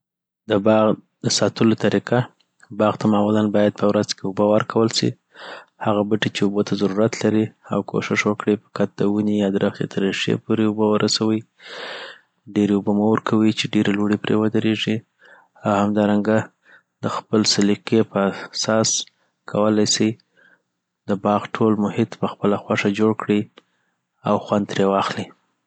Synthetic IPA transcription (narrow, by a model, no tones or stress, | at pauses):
d̪əbɑɣd̪̥əsɑt̪əlot̪aɾiqa | bɑɣt̪amɑmulanbɑjad̪̚pʰəwɾazkeʊbəwəɾkʰawəlsḭ | haɣabəʈit͡ʃeubot̪ʰazaɾuɾat̪laɾia̰wkʰo̰ʃɪʃwəkɽipə̥kat̪̚d̪əwunijɑd̪əɾaxj̪ḛt̪ʰəɾːiʃḛpoɾeʊbəwəɾʔasawəj | ɖeɾeubomowəɾkʰawit͡ʃeɖeɾeloɽipɾḛwəd̪əɾeʐi | awhamd̪ɑɾaŋɡa | d̪əxpəlsaliqepəasɑs | kʰawəlajsi | d̪əbɑɣʈʰolmʊhɪt̪pəxpəlaxwaʂad͡ʒoɽkɽi | awxwand̪ɾewɑxli